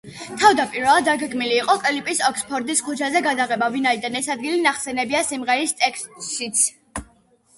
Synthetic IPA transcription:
t̪ʰavd̪apʼiɾvɛlˠad̪aɡɛɡmiliːqʼɔkʼɛlipʼisɔkspʰɔɾd̪iskʰut͡ʃʰazɛɡad̪aʁɛbavinaid̪anɛsad̪̚ɡilinaχsɛnɛbiasimʁɛɾist̪ʼɛkst̪ʼʃit̪sʰ

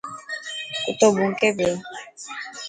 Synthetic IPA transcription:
kṵtobuŋ̩kebe

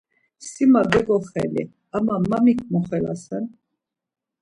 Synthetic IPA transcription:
simabɛɡɔχɛ̰lḭ | amamamikʰmɔχɛla̰sɛn

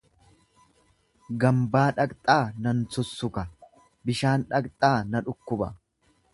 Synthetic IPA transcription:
ɡɐmbaːᶑɐkʼt̪ʼaːnɐnsʊsːʊkɐ | bɪʃaːnᶑɐkt̪ʼaːnɐᶑʊkːʊbɐ

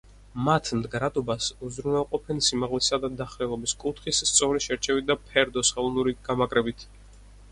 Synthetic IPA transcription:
mat̪ʰmd̪ɡaɾad̪ɔbasuzɾunalˠqʼɔpʰɛnsimaʁlisad̪ad̪aχɾɛlˠɔbiskʼut̪χisːt̪sʼɔɾiʃɛɾt͡ʃʰɛvid̪apʰɛɾd̪ɔsalˠɔnuɾiɡ̥amakʼɾɛbit̪ʰ

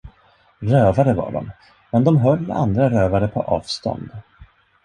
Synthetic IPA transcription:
ɾøːvad̪əva̰ɖɔ̰m | mɛnd̪ɔmɦœlːa̰nd̪ɾaɾøːvaɾəpʰɔ̰ʔɑːvst̪ɔ̰nd̪

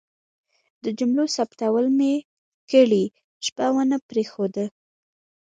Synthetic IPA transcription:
d̪əd͡ʒʊmlosapt̪awəlme | kəɽi | ʃpawənapɾexod̪ə

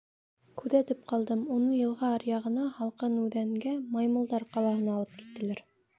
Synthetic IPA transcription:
kʉðæt̪ɘp̚qɑlˠd̪ɤmunjɤ̆lˠʁɑːɾjɑʁɤ̆nɑhɑlˠqɤnʉðæŋɡæmɑjmɤ̆lˠd̪ɑɾqɑlˠɑhɤ̆nɑːlˠɤp̚ki̥t̪ːɘ̆læɾ

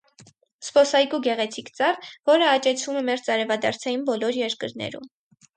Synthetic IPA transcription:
spɔsɑjkuɡɛʁɛt͡sʰikt͡sɑrvɔɾəɑt͡ʃɛt͡sʰumɛmɛɾt͡sɑɾɛvɑd̪ɑɾt͡sʰɑjinbɔlɔɾjɛɾkəɾnɛ̰ɾṵm

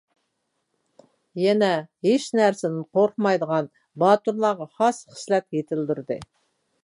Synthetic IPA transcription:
jɛnɛheʃnæɾsɪnɪqʰoɾqmɑjd̪əʁɑn | bɑt̪uɾlˠɑːʁɑχɑsχə̥slɛt̪̚jet̪ʰɪld̪yɾd̪ɪ̰

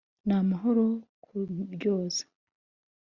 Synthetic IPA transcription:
naːmaɦoɾokʰuɾɟoːze̥

